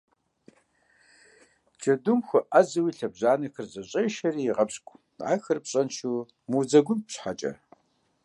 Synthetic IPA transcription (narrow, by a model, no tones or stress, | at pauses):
d͡ʒɐdʊmxʷʊʔɐzɨwiːɬɐbʑaːnɐxɨrzɐɕʼejʃɐɾiːjiʁɐbɕʼkʷʼ | ʕa̰ːxɨrpɕʼɐnʃuː | mud͡zɐɡʷʊmpɕħat͡ʃʼɐ̰